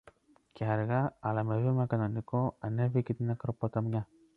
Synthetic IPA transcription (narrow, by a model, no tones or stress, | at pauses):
ceaɾɣaːlamevimakananikoanevikit̪inakɾopot̪amɲa